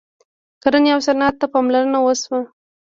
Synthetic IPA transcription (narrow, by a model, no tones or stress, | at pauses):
kaɾəneawsaɾnɑt̪ːapɑmlaɾənawəswa